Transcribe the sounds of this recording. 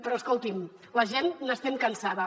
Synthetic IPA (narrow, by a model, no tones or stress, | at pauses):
pɾɔəskolˠt̪im | ləʒenːəst̪ɛmkənsaðə